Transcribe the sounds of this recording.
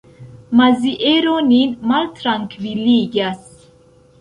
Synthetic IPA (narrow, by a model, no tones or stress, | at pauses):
maziʔeɾoninmalt̪ɾaŋkʰviliɡas